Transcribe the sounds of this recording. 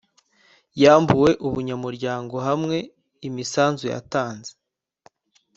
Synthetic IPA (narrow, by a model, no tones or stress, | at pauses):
jaːmbuwe̞ʔuβuɲamuɾɟaːŋɡo̞ɦamŋe̞ | imisaːnzuja̰taːnze̥